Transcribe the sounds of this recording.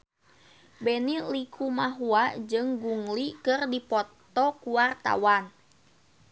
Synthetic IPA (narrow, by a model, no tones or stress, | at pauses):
bɛnilikʰumaɦuad͡ʒɨŋɡuŋlikɨrdipɔt̪ɔkuwart̪a̰wan